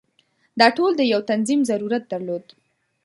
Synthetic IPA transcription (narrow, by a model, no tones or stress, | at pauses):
d̪ɑʈold̪əjawt̪anzimzaɾuɾat̪̚d̪aɾlod̪